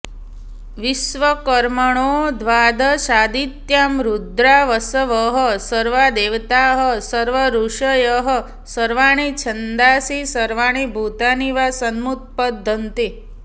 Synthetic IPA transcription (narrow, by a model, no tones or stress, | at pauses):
ʋisʋəkəɾməɳ̃od̪ʱʋad̪ʱəʃad̪it̪jamɾud̪ɾaʋəsəʋəɦəsəɾʋad̪eʋt̪aɦəsəɾʋəɾuʂəjəɦə | səɾʋaɽ̃it͡ʃʰənd̪asisəɾʋaɽ̃ibʱut̪aniʋasənmut̪̚pəd̪ʱənt̪i